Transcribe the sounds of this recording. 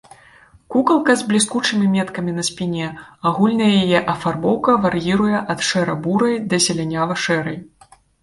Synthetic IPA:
kukɐlˠkɐzʲblʲiskut͡ʂɨmʲimʲɛt̪kɐmʲinɐsʲpʲinʲɛaɣulʲnɐjɛjajɛʔɐfarbɔwkɐvarjiɾujɛʔɐt̪ʂɛɾɐbuɾɐjd̪ɐsʲɛlʲanʲavɐʂɛɾɐj

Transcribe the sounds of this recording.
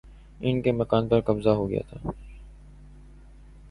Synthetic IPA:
ɪnkemɐkaːnpɐɾkɐbzaɦoɡɐja̰ːt̪ʰaː

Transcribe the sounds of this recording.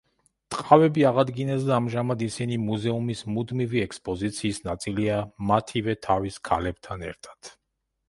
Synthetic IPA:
t̪ʼqʼavɛbiaʁad̪ɡinɛsd̪aːmʒamad̪isinimuzɛumismud̪miviɛkspʼɔzit̪sʰiːsnat̪sʼiliamat̪ʰivɛt̪ʰaviskʰalɛb̚t̪ʰanɛ̰ɾt̪ʰḁd̪̥

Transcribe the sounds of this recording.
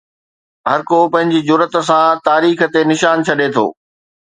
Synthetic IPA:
ɦɐɾkopɐ̃ɦɪ̃ɲd͡ʑid͡ʑʊɾət̪̆sãt̪aːɾiːxə̆t̪enɪʃaːnt͡ɕʰɐɗet̪ʰo̰ː

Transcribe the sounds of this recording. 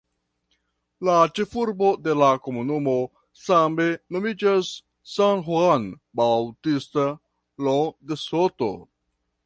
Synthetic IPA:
lat͡ʃe̞fuɾbo̞de̞lako̞munumo̞ | sameno̞mid͡ʒasː | anɦwan | bawtista | lodesoto̰

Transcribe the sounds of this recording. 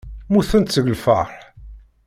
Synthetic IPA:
muθənt̪səɡlfə̰ˤħ

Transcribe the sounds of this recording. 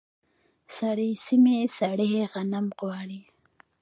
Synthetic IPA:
saɽisimesaɽeɦeɣanamqwɑɽi

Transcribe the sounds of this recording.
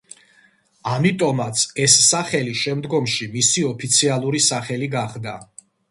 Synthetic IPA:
amit̪ʼɔmat̪sʰɛsːaχɛliʃɛmd̪ɡɔmʃimisiɔpʰit̪sʰialˠuɾisaχɛliɡaχd̪a

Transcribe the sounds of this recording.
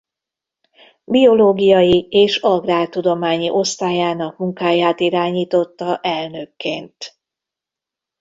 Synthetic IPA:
bio̞loːɡijɒjieːʃɒɡraːrt̪ːud̪o̞maːɲiʔo̞st̪aːjaːnɒkmuŋkaːjaːt̪iɾaːɲiːt̪o̞t̪ːɒʔɛlnø̞kːḛːnt̪

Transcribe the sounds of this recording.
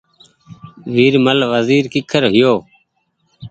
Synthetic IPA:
ʋiːɾməlʋəziːɾkɪkʰəɾɦɪjoː

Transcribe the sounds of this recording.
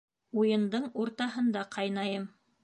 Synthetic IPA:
ujɤ̆nd̪ɤɴuɾt̪ɑɦɤ̆nd̪ɑqʰɑjnɑjɤm

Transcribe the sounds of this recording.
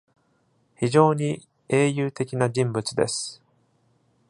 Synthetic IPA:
çiʑo̞ːɲ̟i | e̞ːjɯːt̪e̞kʲinad͡ʑĩmbɯ̟t͡sɨd̪e̞̰sɨ̥

